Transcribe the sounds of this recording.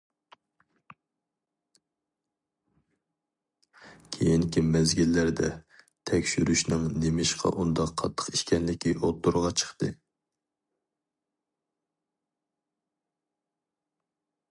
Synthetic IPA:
kʲʰejinkʲimɛzɡʲilːæɾd̪ɛ | t̪ʰɛkʲʃyɾyʃnɨŋnemɪʃqʰɑ̰ʔund̪ɑqʰːɑt̪ʰːə̥qiʃkʲɛnlɪkʲʰːiʔot̪ːuɾʁɑt͡ʃʰə̥χt̪ɨ

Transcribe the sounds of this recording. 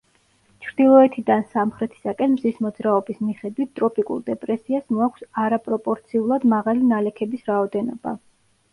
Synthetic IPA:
t͡ʃʰɾd̪̥ilˠɔɛt̪ʰid̪ansamχɾɛt̪ʰi̥sakʼɛnmzismɔd̪zɾaɔbismiχɛd̪wit̪̚ʰt̪ʼɾɔpʼikʼṵlˠd̪ɛpʼɾɛsiasmɔakʷʰsaɾapʼɾɔpʼɔɾt̪sʰiulˠad̪maʁalinalɛkʰɛbisɾaɔd̪ɛnɔba̰

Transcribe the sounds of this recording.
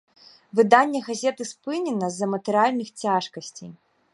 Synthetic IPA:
vɨd̪anʲːɛɣazʲɛt̪ɨspɨnʲɛnɐzːɐmɐt̪ɨɾɨalʲnɨxt͡sʲaʂkɐsʲt͡sʲej

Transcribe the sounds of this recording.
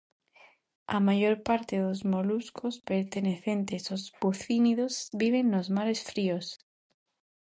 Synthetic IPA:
a̰maʝoɾpaɾt̪eðozmoluskʰospeɾt̪eneθent̪esozpuθiniðozbiβ̞enːozmaɾesfɾios

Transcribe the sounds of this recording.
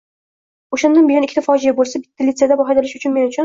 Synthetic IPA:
oʃand̪anbejɒnɪkʲʰɪt̪ʰafɒd͡ʒijabolˠsabɪ̥t̪ːalʲit̪sed̪abɒɦɑd̪ɪlɪʃʊt͡ʃʰʊnme̞nʊt͡ʃʰʊn

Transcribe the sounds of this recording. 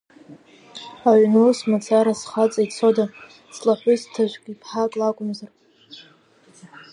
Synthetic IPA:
aɥʷnusmat͡sʰaɾasχat͡sʼait͡sʰoda | slaħʷᶣʊztʰaʒʷkʲʼipʰħakʼlakʷʼʊmzar

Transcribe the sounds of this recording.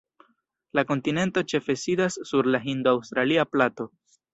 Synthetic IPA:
lako̞ntine̞nto̞t͡ʃe̞fe̞sidasːuɾlaɦindoawst̪ɾaliaplato̞

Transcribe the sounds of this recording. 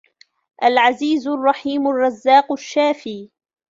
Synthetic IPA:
ʔalʕaziːzrˤːɑħiːmʊrˤːɑzːaːqʃːaːfiː

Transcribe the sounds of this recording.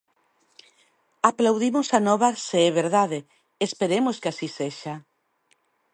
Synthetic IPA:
aplawðimosanɔβaseɛβeɾðaðe | espeɾemoskeasiseʃa

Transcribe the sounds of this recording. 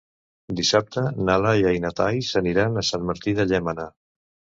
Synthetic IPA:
d̪isap̚t̪ənalaiajnat̪ajsəniɾanəsanməɾt̪iðəʎɛmana

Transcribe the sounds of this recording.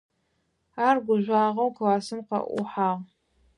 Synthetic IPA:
aːrɡʷʊʒʷaːʁɐwkʰɨwaːsɨmqɐ̰ʔʷʊ̰ħaːʁ

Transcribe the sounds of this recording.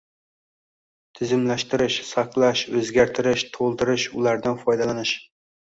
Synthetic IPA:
t̪ʰɪzɪmlæʃt̪ɪɾɪʃsɑqlˠaʃɵzɡʲaɾt̪ʰɪɾɪʃt̪ʰolˠd̪ɪɾɪʃʊ̰lˠaɾd̪anfɒjd̪alanɪʃ

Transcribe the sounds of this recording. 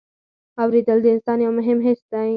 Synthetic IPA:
awɾid̪əld̪əɪnsɑːnjawmʊɦɪmɦesd̪ã

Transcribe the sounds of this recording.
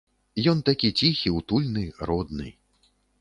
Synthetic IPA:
jɔnt̪akʲit͡sʲixʲiwt̪ulʲnɨrɔd̪̚nɨ̰

